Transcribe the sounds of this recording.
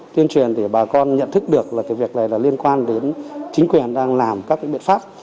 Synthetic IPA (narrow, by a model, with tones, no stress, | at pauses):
t̪i˧ənt͡ɕwi˨˩ənt̪ʰi˧˩ɓaː˨˩kɔ˧nɲə̰˧˨nt̪ʰɨ˦˥k̚ɗɨ˨˩ək̚laː˨˩kaː˨˦vi˨˩ək̚na˨˩jlaː˨˩li˧ənkwaː˧nɗe˨˦nt͡ɕï˨˦ŋ̟kwi˨˩ənɗaː˧ŋlaː˨˩mkaː˦˥k̚wḭ˧˦˥ɓ̰nfaː˦˥p̚